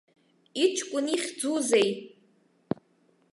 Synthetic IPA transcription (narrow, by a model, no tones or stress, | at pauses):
it͡ʃʰkʷʼʊniχʲd͡zuzej